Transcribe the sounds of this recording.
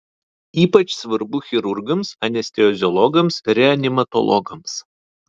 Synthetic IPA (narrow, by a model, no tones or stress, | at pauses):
iːpɐt͡ʃsʋɐɾbʊxʲɪɾʊɾɡɐmsɐnʲɛsʲt̪ʲɛɔzʲɔlˠɔɡɐmsɾʲɛɐnʲɪmɐt̪ɔ̰lˠɔ̰ɡɐms